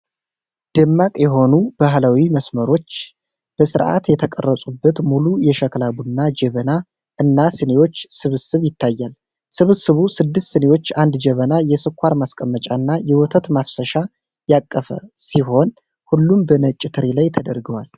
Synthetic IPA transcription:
d̪̥ɨmːakʼjɛɦo̞nub̥aɦlawiməsməɾo̞t͡ʃː | b̥əsɨɾʔa̰t̪jɛt̪ʰəkʼə̰rːəsʼubːət̪mulujɛʃəklabunːad͡ʒɛβəna | ɨnːasɨnewo̞t͡ʃːsɨβɨsɨβjɪt̪ʰːajːal | sɨβɨsɨβusɨd̪ːɨst̪sɨnewo̞t͡ʃːand̪d͡ʒɛβənajɛsɨkʰʷːaɾmaskʼəmːət͡ʃʼaɨnːajɛwɔt̪ʰət̪mafsəʃa | jakʼːəfə̰siɦo̞n | hulːumbənət͡ʃʼːɪt̪ʰɨɾilajt̪ʰəd̪əɾɡəwal

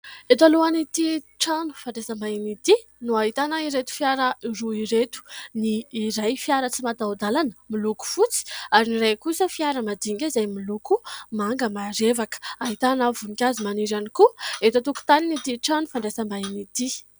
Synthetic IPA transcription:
et̪̬aluanit̪i | ʈ͡ʂanu̥faɳɖ͡ʐesəmbainit̪i | nuaɦit̪anaiɾet̪u̥fjaɾəiruiɾet̪u̥niːɾajfjaɾət͡simat̪awd̪alanəmiluku̥fut͡si̥aɾiniɾajkusəfiaɾəmad̪iŋɡʲaizajmilukumaŋɡəmaɾevakə̥aɦit̪anavunikʲazimaniɾanikuet̪ət̪uku̥t̪aninit̪iʈ͡ʂanufaɳɖ͡ʐesəmbainit̪i

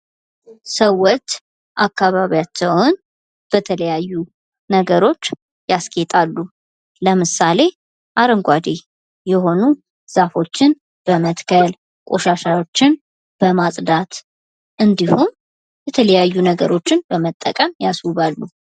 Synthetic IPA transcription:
səwːɔt͡ʃː | ʔakːaβaβijat͡ʃːɛwn | b̥ət̪ʰələjajːu | nəɡəɾo̞t͡ʃː | jaskʰʼet̪ʼalːu | ləmɨsale̞ | ʔaɾəŋɡʷad̪e | jɛho̞nu | z̥afo̞t͡ʃːɪn | b̥əmət̪kʰəl | kʼo̞ʃaʃawot͡ʃːɪn | b̥əmasʼd̪at̪ | ʔɨnd̪ihum | jɛt̪ʰələjajːunəɡəɾo̞t͡ʃːɪnbəmət̪ʼːəkʼəmjaswuβalːu

